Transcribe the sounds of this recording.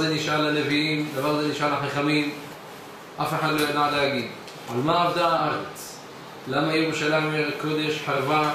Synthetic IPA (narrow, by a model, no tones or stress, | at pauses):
zeniʃʔalaneviimd̪avaʁazeniʃʔaʁlaħaχamim | ʔafeħad̪lo̞jad̪aʕlehaɡid̪ | ʕalmaavd̪aaʔaʁet͡s | lamajeʁuʃalaimeʁeko̞d̪e̞ʃħaʁva